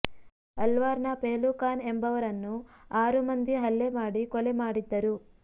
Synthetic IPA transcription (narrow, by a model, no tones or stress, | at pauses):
ɐlʋaːɾnɐpeːlukaːnembɐʋɐɾɐnːuaːɾumɐnd̪iɦɐlːemaːɽikɔlemaːɽid̪ːɐɾu